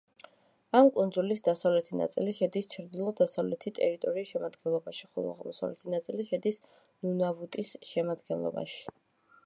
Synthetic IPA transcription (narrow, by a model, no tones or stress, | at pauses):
amkʼund̪zulisd̪asavlɛt̪ʰina̰t̪sʼḭliʃɛd̪ist͡ʃʰɾd̪ilˠɔd̪asavlɛt̪ʰit̪ʼɛɾit̪ʼɔɾiːsʃɛmad̪ɡɛnlˠɔbaʃiχṵlˠa̰ʁmɔsa̰vlɛt̪ʰinat̪sʼiliʃɛd̪is | nunavut̪ʼisʃɛmad̪ɡɛnlˠɔ̰ba̰ʃi̥